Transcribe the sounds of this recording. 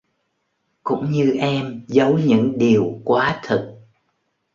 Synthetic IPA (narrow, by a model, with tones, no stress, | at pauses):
kʊ̰˧˥ŋ͡mɲɨ˧ʔɛ˧mzə˨˦wɲɨ̰˧˥ŋɗi˨˩əwkwaː˨˦t̪ʰɨ˨˩t̚